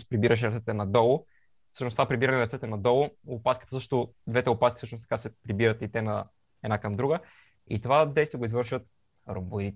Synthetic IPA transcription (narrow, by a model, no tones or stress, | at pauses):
spɾibiɾəʃ̬ɛɾɐt̪sɛt̪ɛnɐd̪ɔlˠʊ | fsɤʃnost̪ovapɾibiɾɐnɛnɐɾɐt̪sɛt̪ɛnɐd̪ɔlˠʊʊpat̪̚kə̥t̪əsɤʃt̪ʊd̪vɛt̪ɛʊpat̪kʲi̥sɤʃnʊst̪ɐ̥kasɛpɾibiɾət̪it̪ɛnɐ̰ | ɛd̪nakəmd̪ɾuɡə | ḭt̪ovad̪ɛjst̪iəɡoizvɤɾʃvət̪ | ɾombəɾi